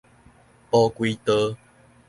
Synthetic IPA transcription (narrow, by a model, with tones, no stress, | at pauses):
pɔ˧kwi˧t̪ə˧